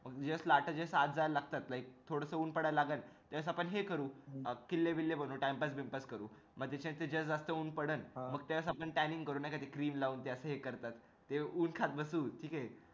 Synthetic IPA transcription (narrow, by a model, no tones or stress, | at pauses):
məɡd͡ʑeʋəslaʈʰəd͡ʑeəsat̪̚d͡zalaɡ̚t̪at̪laik̚t̪ʰoɽəsəuːnpəɽalaɡənt̪eʋəs̬apəɳɦekəɾuːkilːeʋilːebənuːʈajmpəsbimpəskəɾuː | məɡ̚t̪̬at͡ɕãt̪ed͡ʑəsd͡zast̪əuːnpəɽənməɡ̚t̪eʋəsapəɳʈæniŋɡkəɾuːnajkat̪ʰikɾiːmlauːnt̪̬easəɦekəɾt̪at̪ː | euːnkʰat̪̚bəsuːʈʰiːka